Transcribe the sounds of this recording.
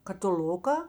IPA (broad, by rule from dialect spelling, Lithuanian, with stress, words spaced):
kɐtʲɪˈlʲʊkɐ